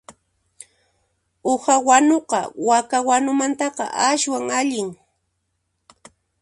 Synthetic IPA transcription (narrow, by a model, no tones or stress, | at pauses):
ohawanoqɑ̰wakawanʊmant̪ɑqɑ̰ʔaʃwaŋaʎɪŋ